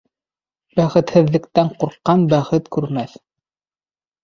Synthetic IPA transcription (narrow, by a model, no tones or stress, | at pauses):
bæχɘ̆t̪hɘ̆ðːɘ̆kt̪æɴquɾqːɑnbæχɘt̪kʉɾmæθ